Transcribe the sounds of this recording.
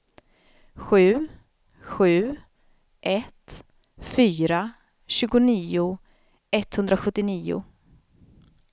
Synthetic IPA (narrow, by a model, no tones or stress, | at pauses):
ɧʉ̟ː | ɧʉ̟ː | ʔɛt̪ | fyːɾa | ɕʉ̟ːɡʊniːʊ | ɛt̪ːhɵnd̪ɾaɧɵt̪ːɪniːʊ̰